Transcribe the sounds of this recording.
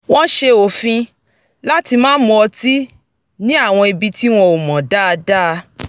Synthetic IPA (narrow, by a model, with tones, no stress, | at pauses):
wɔ̃˦ʃe˧o˨fĩ˧ | la˦ti˧mãː˦mɔ̃˧ɔ˧ti˦ | nĩ˦a˦˨w̃ɔ̃˧i˧bi˧ti˦w̃ɔ̃˧o˨mɔ̃˨da˦˧da˦˧